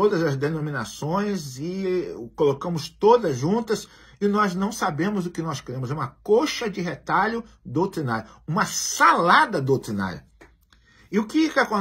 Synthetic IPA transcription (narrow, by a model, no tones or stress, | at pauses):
od̪ɐzɐzd̪enõmĩna̰sõj̃zɪkolokɐ̃mʊst̪od̪ɐzʒũt̪ɐs | ɪnɔznɐ̃w̃sabẽmʊzʊkɪnɔskeɾẽmʊzɛũmɐkoʃɐd͡ʒɪɦet̪aʎʊ | d̪owt̪ɾinaɾjʊũmɐsalad̪ɐd̪owt̪ɾina̰ɾjʊ̰ | ɪʊkɪkakõ